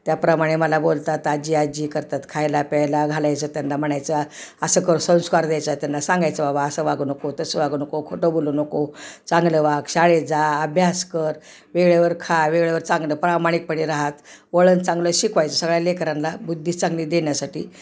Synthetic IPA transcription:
t̪japɾəmaɽ̃eməlabolt̪at̪ad͡ʑiːad͡ʑiːkəɾt̪at̪kʰajlapɛlaɡʱalajt͡sət̪janːam̤əɳajt͡saəsəkəɾsə̃w̃skaɾd̪jajt͡sat̪janːasãŋɡajt͡səbabaəsəʋaɡunəkot̪əsəʋaɡuːnəkokʰoʈobolunəkot͡sãŋɡləʋaɡɕaɭed͡zaəbʱjaskəɾ | ʋeɡɭeʋəɾkʰajʋeɡɭəʋəɾt͡sãŋɡləːpɾamaɽ̃ik̚pəɽiɾaɦat̪ʋəɭənt͡sãŋɡləɕikʰʋajt͡səsəɡɭjalekɾanlabud̪ʱːiːt͡saŋɡliːd̪enjasaʈḭː

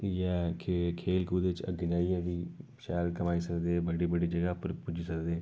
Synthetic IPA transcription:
ɛːkʰekʰeːlkuːd̪eːɪt͡ʃə̰ɡnaːiːɛːʋiːʃɛːlkəmaːiːsəkd̪eːbəɽiːbəɖiːd͡ʒəɡaːpəɾpʊd͡ʒiːsəkd̪eː

